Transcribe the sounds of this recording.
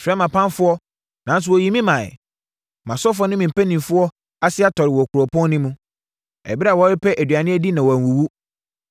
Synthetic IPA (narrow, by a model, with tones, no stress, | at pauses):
sɾɛ˦mã˨pʰã˦nfʊ˦ɔ˦ | nã˨n˦s̬ʊ˨wɔ˨ji˨mĩ˦mã̰˨ | mã˨sɔ˦f̬ʊ˦ɔ˦nɪ̃˦mĩ˨m̩˨pæ˦nĩ˨mfʊ˦ɔ˦ | a˦sɪ˦a˦tʰɔ˨ɾɪ˨wɔ˨kʰʊ˨ɾɔ˨pʰɔ̃˦n˦nɪ̃˦mũ˦ | ɛ̰˨bi˦ɾa˨wɔ˨˦ɾɪ˦pʰɛ˦ʔæ˨dɥa˨nɪ̃˦ɛ˦di˦nã˨wɔ˨æ˨wu˨wu˦